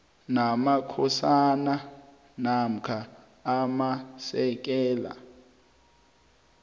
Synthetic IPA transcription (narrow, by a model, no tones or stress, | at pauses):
namakʰɔsana | nam̩kʰa | amasɛk̬ʼɛːla̰